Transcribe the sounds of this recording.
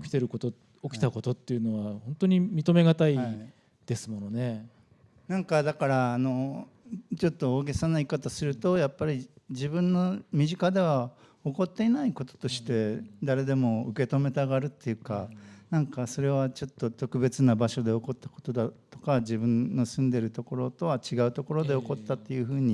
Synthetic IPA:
kʲi̥t̪e̞ɾɯ̟ko̞t̪o | okʲi̥t̪ako̞t̪o̞t̪ːe̞ɯ̟no̞βahõ̞nt̪o̞ɲ̟imʲit̪o̞me̞ɡat̪ai | d̪̥e̞sɨmo̞none̞ | nãŋkad̪akaɾaːno̞ | t͡ɕo̞t̪ːo̞ːɡe̞sanaikat̪asɨɾɯ̟t̪o̞japːaɾʲid͡ʑibɯ̟̃nːo̞mʲiʑikad̪e̞β̞a | o̞ko̞t̪ːe̞inaiko̞t̪o̥t̪o̞ɕi̥t̪e̞d̪aɾe̞d̪e̞mo̞ɯke̞t̪o̞me̞t̪aɡaɾɯ̟t̪ːe̞jɯ̟kanãŋkaso̞ɾe̞β̞at͡ɕo̞t̪ːo̞t̪o̞kɯ̟be̞t͡sɨnabaɕo̞d̪e̞o̞ko̞t̪ːḁko̞̥t̪o̞d̪at̪o̞kad͡ʑibɯ̟̃nːo̞sɨ̃nd̪e̞ɾɯ̟t̪o̞ko̞ɾo̞t̪o̞βat͡ɕiɡaɯ̟t̪o̞ko̞ɾo̞d̪e̞o̞ko̞t̪ːat̪ːe̞jɯ̟ɸɯ̟ːɲ̟i

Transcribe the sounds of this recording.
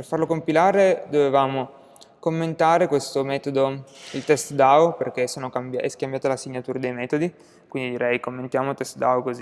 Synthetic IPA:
perfarlokompilaːɾed̪ovevaːmo | komːent̪aːɾekwest̪omɛːt̪od̪oilt̪ɛst̪d̪aoperk̟esoːnokambaɛskambjaːt̪alasiɲːat̪uːɾad̪ejmɛːt̪od̪i | kwind̪id̪iɾʔɛjkomːent̪jaːmot̪ɛst̪d̪aokozi

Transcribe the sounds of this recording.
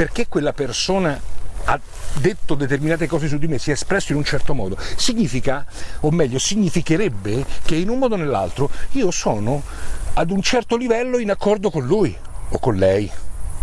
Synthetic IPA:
perkekːwelːapersoːnaa | d̪ːet̪ːod̪et̪erminaːt̪ekɔːzes̬ud̪ːimesːiɛespɾɛsːoinunt͡ʃɛrt̪omɔːd̪osiɲːiːfikaomːɛʎːosiɲːifikeɾɛbːek̟einunmːɔːd̪onelːa̰lt̪ɾoiːosɔːno | ad̪unt͡ʃɛrt̪olivɛlːoinakːɔrd̪okonluːjokːonlɛj

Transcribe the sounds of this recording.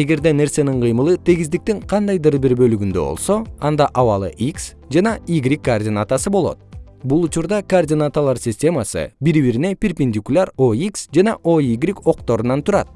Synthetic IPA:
e̞ɡe̞ɾd̪e̞ne̞ɾse̞niɴqʰɯjmɯlˠɯt̪ʰeɡizd̪ik̚t̪iɴqʰɑnd̪ɑjd̪ɯɾbiɾbø̞lyɡynd̪ø̞̰bo̞̰lˠso̞ɑnd̪ɑʔɑwɑlˠɯ̰ʔiks | d͡ʒɑnɑiɡɾʲikːordʲɪnat̪asɯbo̞lˠo̞̰t̪̚ | bulˠut͡ʃuɾd̪ɑkordʲɪnat̪alˠɑɾsʲɪsʲtʲe̞masɯ̰biɾβiɾine̞pʲɪrʲpʲinʲd̪ʲikulʲaɾo̞iksd͡ʒɑnɑʔo̞iɡɾʲiko̞qt̪o̞ɾunɑnt̪ʰuɾɑt̪̚

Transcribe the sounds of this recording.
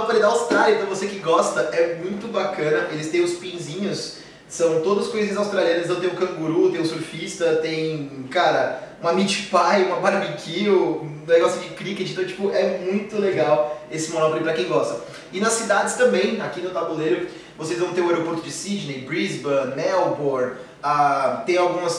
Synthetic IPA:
onɔpolid̪ɐawst̪ɾalʲjɐ̃t̪ɐ̃vosekɪɡɔst̪ɐʔɛmũj̃t̪ʊbakɐ̃nɐʔelɪst̪ẽj̃ʊspĩzĩɲʊs | sɐ̃w̃t̪od̪ʊzʊskojziɲɐzawst̪ɾaljɐ̃ɾnɐsit̪ɐ̃w̃t̪ẽj̃ʊkɐ̃ɡuɾut̪ẽj̃ʊ̃suɾfist̪ɐt̪ẽj̃kaɾɐ | ũɐmit͡ʃipajũmɐmaɾmikʰiwneɡɔsjʊd͡ʒɪkɾiket͡ʃɪ̃ĩt̪ɐ̃w̃t͡ʃi̥pʊʔɛmũj̃t̪ʊleɡawesɪmonɔplipɾɐkẽj̃ɡɔst̪ɐ | ɪnɐsːid̪ad͡ʒɪst̪ɐ̃mbẽj̃akinʊt̪abuleɾʊ | vosejzvɐ̃w̃t̪eɾʊaɛɾopoɾt̪ʊd͡ʒɪsid͡ʒ̪nejbɾizbɐnɛwboɾ | at̪ẽj̃awɡũmɐs

